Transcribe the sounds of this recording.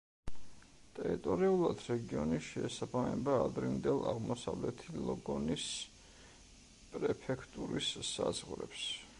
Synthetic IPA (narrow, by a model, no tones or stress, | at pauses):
t̪ʼɛɾit̪ʼɔɾiulˠad̪ɾɛɡiɔniʃɛːsabamɛbaːd̪ɾind̪ɛlˠaʁmɔsavlɛt̪ʰilˠɔɡɔnis | pʼɾɛpʰɛkʰt̪ʼuɾisːazʁɾɛ̰ps